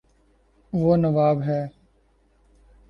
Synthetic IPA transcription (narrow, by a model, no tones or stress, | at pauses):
ʋoːnəʋaːbɦɛː